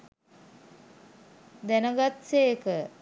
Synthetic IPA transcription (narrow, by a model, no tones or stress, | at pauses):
d̪ænəɡat̪seːkə